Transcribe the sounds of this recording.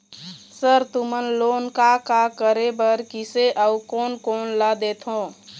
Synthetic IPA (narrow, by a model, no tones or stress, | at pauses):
səɾt̪umənlonkakakəɾebəɾkiseʔəukonkonləd̪et̪ʰɦõ